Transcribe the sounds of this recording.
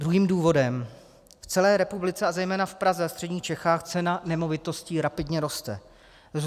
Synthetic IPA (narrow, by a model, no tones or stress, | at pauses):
d̪ɾuɦiːmduːvo̞dɛm | ft͡sɛlɛːɾɛpublɪt͡sɛazɛjmɛːnafpɾazɛfst̪r̥ɛdɟɲiːt͡ʃɛxaːxt͡sɛnanɛmo̞vɪt̪o̞sciːɾapɪdɲɛɾo̞st̪ɛ̰